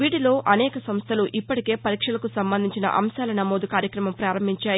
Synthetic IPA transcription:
ʋiːɽilo̞ːʔɐnɛːkɐsɐmst̪ʰɐluʔipːɐʈike̞ːpɐɾiːkʂɐlɐkusɐmbɐnd̪ʱiɲt͡ʃinɐ̰ʔɐ̰mʃaːlɐnɐmoːd̪ukaːɾjɐkɾɐmɐmpɾaːɾɐmbʱiɲt͡ʃaːj

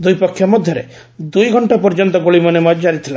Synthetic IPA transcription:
d̪ujpɔkʰːjɔmɔd̪ʱjɔɾḛ | d̪ujɡʱɔɳʈapɔɾd͡ʒɔnt̪ɔɡoɭimɔnemɔd͡ʒd͡ʒaɾit̪ʰila

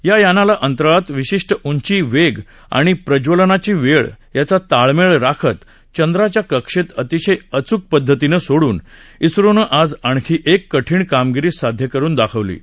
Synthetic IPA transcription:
jajanalaʔənt̪ɾəɭat̪ʋiɕiʂʈəʔuɲt͡ɕiːʋeɡ | a̰ɽ̃ipɾəd͡ʑʋolənat͡ɕiːʋeɭjat͡sat̪aɭmeɭɾakʰət̪ | t͡ɕənd̪ɾat͡ɕjakəkʂet̪ət̪iɕəjət͡suk̚pəd̪ʱːət̪inəsoɽuːnisɾunəʔad͡zaɳ̃kʰiːʔekːəʈʰiːɳkamɡiɾiːsad̪ʱjəkəɾuːnd̪akʰəʋlḭː

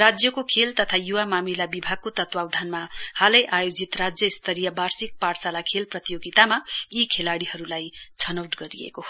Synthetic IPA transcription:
rad͡zjʌkokʰelt̪ʌt̪ʰajuwamamilabibʱaɡ̚kot̪ʌt̪wawd̪ʱanmahalʌjʔajod͡zit̪rad͡zjʌist̪ʌɾijʌbarsik̚parsalakʰelprʌt̪ijoɡit̪amaikʰelaɽiɦʌɾulajt͡sʰʌnʌwʈɡʌɾijḛko

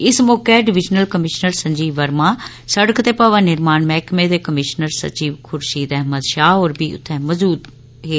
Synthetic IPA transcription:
ɪsmoːkeɖɪʋɪd͡ʒnəlkəmɪʃnəɾsɐ̃ɲd͡ʒiːʋəɾmã | səɽəkt̪epɐʋãnɪɾmaːnmɛːkmẽd̪ekəmɪʃnəɾsɐ̰t͡ʃiːʋkʰʊɾʃid̪ɛɦməd̪ʃaːɦoːɾbiʊ̰t̪ʰːɛ̃mɐzuːd̪ | ɦeː

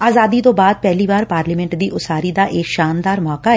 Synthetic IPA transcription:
aːzaːd̪iːt̪õːbaːd̪̚pɛːliːbaːɾpaːɾlimɛ̃ɳʈd̪iːʔʊsaːɾiːd̪aːʔeːkʃaːnd̪aːɾmɔːkaː

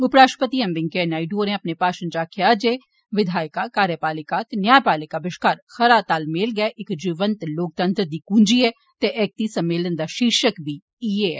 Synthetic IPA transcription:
ʊpɾaːʃpət̪iːɛmbɪŋkeːnaːɪɖoːɾẽɐpnepaːʃənd͡ʒaːkʰjaːd͡ʒeː | ʋɪd̪ʱaːjkakaːɾjəpaːlɪkat̪enjaːjpaːlɪkaːbɪʃkaːɾxɐɾaːt̪aːlmeːlɡɛʔɪkd͡ʒiːʋənt̪loːk̚t̪ə̃nt̪ɾd̪iːkũːnd͡ʒiːɛː | t̪eʔɛːk̚t̪iːsɐmːeːlənd̪aːʃikʃəkbʱiː | ieɛː

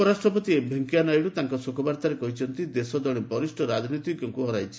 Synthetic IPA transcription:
ɔɾasʈɾɔpɔt̪iebʱeŋkianajɽut̪aŋkɔsokʰɔbaɾt̪aɾekɔɦit͡ʃʰɔnt̪id̪esɔd̪ɔɭebɔɾisʈʰɔɾad͡ʒnit̪iɡɔŋkuɦɔɾajt͡ʃʰi̥

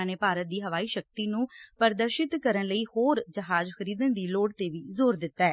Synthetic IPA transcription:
aːneːpaːɾət̪̚d̪iːɦəʋaːiːʃək̚t̪iːnũːpəɾd̪əɾʃɪt̪kəɾənləiːhoːɾd͡ʒəɦaːd͡ʒxəɾiːd̪ənd̪iːloːɽt̪eːʋiːzoːɾd̪ɪt̪ːaɛː

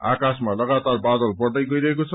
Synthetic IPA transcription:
akasmalʌɡat̪arbad̪ʌlpʌrd̪ʌjɡʌjɾʌɦekot͡sʰʌ

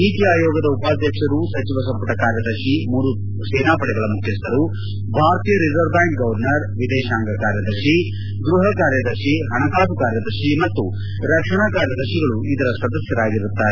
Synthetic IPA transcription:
iːt̪ijaːjɔːɡɐd̪ɐupaːd̪ʱjɐkʂɐɾusɐt͡ʃiʋɐsɐmpɐʈɐkaːɾjɐd̪ɐɾʃimuːɾu | sɛːnaːpɐɽɛɡɐɭɐmukʰjɐst̪ʰɐɾu | bʱaːɾt̪ijɐɾizɐɾbaːŋkɡɐʋɐɾnɐɾʋid̪ɛːʃaːŋɡɐkaːɾjɐd̪ɐɾʃi | ɡɾuɦɐkaːɾjɐd̪ɐɾʃiɦɐɳɐt̪aːpukaːɾjɐd̪ɐɾʂimɐt̪ːu | ɾɐkʂɐɳakaːɾjɐd̪ɐɾʃiɡɐɭuid̪ɐɾɐsɐd̪ɐsjɐɾaːɡiɾut̪ːaːɾe

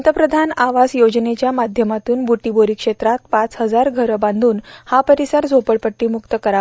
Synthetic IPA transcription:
t̪əpɾəd̪ʱanaʋasjod͡ʑnet͡ɕjamad̪ʱjəmat̪uːnbuʈiboɾiːkʂet̪ɾat̪̚pat͡sɦəd͡zaɾɡʱəɾəbãnd̪ʱuːnhapəɾisəɾd͡zopəɭpəʈːiːmukt̪əkəɾa

